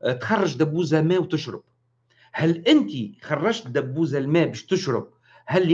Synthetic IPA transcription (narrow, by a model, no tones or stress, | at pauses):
t̪xɑrˤːɑʒd̪abːuːzamæːwt̪ɪʃɾˤɪ̰b̥̚ | hælʔɪnt̪ixɑrˤːɑʒt̪̚d̪æbːuːzalmɛːbæʃt̪ɪʃɾɪb̚ | hælː